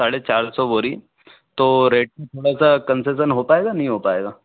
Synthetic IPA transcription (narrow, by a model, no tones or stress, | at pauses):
saɽet͡ɕaɾsɔʋoɾḭː | t̪oɾeʈ̚met̪ʰoɽasakənses̬ənɦopaeɡanaɦĩɦopaeɡa